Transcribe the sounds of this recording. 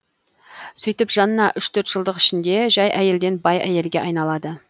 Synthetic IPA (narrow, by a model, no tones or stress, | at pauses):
sɵjt̪ɪpʒɑnənɑʔʏʃt̪ʰɵɾt̪ʒ̥əlˠd̪əqɪ̥ʃɪnd̪e̞ʒɑjʔæje̞ld̪e̞nbɑjæ̰je̞lɡʲe̞ʔɑjnɑlˠɑd̪ə